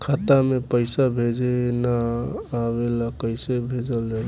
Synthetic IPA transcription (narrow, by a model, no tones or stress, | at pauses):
kʰat̪amepəjsabʱed͡ʒenaː | βelakəjsebʱed͡ʒəld͡ʒal